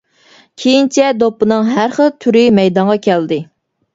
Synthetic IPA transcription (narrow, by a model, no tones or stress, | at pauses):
kʲʰejint͡ʃʰɛd̪opːɨnɨŋɦæɾχəlˠt̪ʰyɾɪmɛjd̪ɑŋʁɑkʲʰɛld̪ɪ